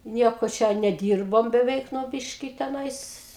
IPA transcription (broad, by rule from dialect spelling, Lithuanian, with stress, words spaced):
ˈnʲiɛkoː ˈt͡ʃʲɛ nʲɛˈdʲiːrboːm bʲɛˈʋʲɛɪk ˈnʊ ˈbʲɪʃʲkʲɪ tʲɛˈnɐɪs